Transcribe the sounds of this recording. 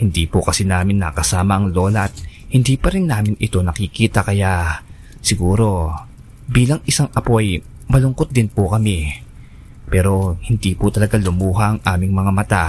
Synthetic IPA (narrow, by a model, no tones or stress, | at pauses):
hɪnd̪ipʊkɐsɛnaːmɪnːɐ̰kɐsaːmɐʔɐŋlo̞ːlɐʔɐt̪̚hɪnd̪ipɐɾɪnːaːmɪnʔɪt̪o̞nɐkɪkiːt̪ɐkɐjaʔ | sɪɡuːɾo̞ | biːlɐŋʔɪsaŋʔɐpo̞ʔɐj | mɐlʊŋkot̪̚d̪ɪnpʊkɐmɛ | pɛːɾo̞hɪnd̪ipʊt̪ɐlɐɡalʊmuːɦɐʔɐŋʔaːmɪŋmɐŋamɐt̪a